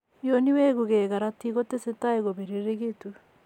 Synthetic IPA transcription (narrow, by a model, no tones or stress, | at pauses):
joniweɣuɣeːɣaɾatiɣotesetaeɣoβeɾiɾeɣetu